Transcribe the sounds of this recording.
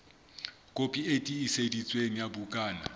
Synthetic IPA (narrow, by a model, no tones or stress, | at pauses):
kʼopʼietʼiːsedit͡sʼweŋ̩jabukʼaːna̰